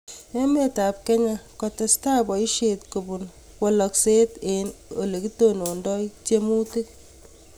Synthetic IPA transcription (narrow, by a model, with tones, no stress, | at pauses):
e˦me˦ta˨p̚kɛ˦ɲa˦kɔ˨te˨sta˦bɔ˨i˦ʃe˨tko˨bu˨n | kwɔ˨lɔ˨kse˦te˨no̰˨le˨ki˦to˦no˨ndɔ˦t͡ʃe˦mu˦ti˦k̚